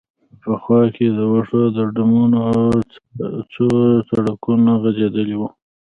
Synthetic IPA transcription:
pəxwɑked̪əwaʂod̪əɖamuno | t͡sot͡saɽakunaɣazed̪əliwu

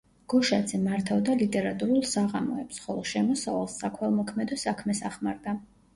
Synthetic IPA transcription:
ɡ̥ɔʃad̪z̥ɛmaɾt̪ʰavd̪alit̪ʼɛɾat̪ʼuɾulˠsaʁamɔɛpsχɔlˠɔʃɛmɔsavalˠsːakʰwɛlˠmɔkʰmɛd̪ɔsakʰmɛsaχmaɾd̪a

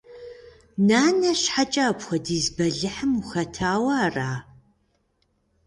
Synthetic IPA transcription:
naːnɐɕħat͡ʃʼaːpxʷɐdiːzbɐɮɨħəmuxɐtʰaːwɐːraː

